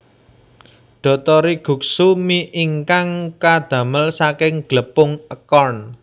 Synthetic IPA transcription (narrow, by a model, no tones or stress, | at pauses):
ɖ̪̥ɔ̤t̪ɔɾiɡ̥ṳk̚sumiʔiŋkaŋkad̪̥ä̤məlsakɪŋɡ̥ləpʊŋəkɔrn